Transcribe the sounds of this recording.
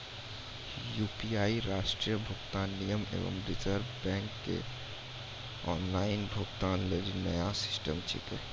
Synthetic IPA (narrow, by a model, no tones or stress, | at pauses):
juːpiaːiɾaːʃʈɾijəbʱʊɡt̪aːnːijəmḛːʋə̰mɾɪd͡ʒəɾbɛ̃ːŋkːḛ | ɔːnlaːɪnbʱʊɡt̪aːnleɾinɐjasɪ̥sʈəmt͡ʃʰɪ̰kəl